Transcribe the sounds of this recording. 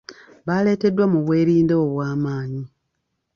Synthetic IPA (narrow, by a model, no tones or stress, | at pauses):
βale̞ːte̞dːwamuβwe̞ːɾiːndeoβwaːmaːɲi